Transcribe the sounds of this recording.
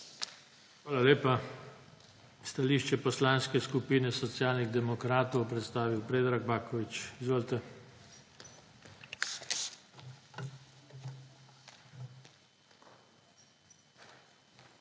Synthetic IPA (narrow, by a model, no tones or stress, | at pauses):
xʋaːlaleːpa | st̪aliːʃt͡ʃɛpɔslanskɛskupiːnɛsɔt̪sjaːlniɣd̪ɛmɔkɾaːt̪ɔwpɾɛt̪st̪aːʋiwpɾeːd̪ɾaɡbaːkɔʋit͡ʃizʋoːlt̪ɛ